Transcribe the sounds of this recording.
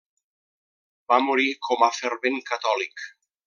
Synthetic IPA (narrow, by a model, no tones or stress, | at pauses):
bamoɾikʰɔmafeɾβeŋkat̪ɔlik